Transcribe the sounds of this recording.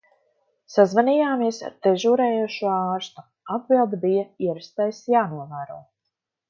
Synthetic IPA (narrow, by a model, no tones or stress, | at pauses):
sazvanijaːmiɛsa̰d̪̥ɛʒuːɾɛːjuːʃuaːɾst̪u̥ | ab̚bilˠd̪bijɐiɛɾst̪ɛjsjaːnuɔvæːɾo̰ː